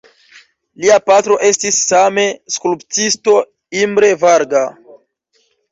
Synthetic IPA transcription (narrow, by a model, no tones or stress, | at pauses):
liapatɾo̞ʔe̞stisːame̞skuluptisto̞ | imbɾe̞vaɾɡa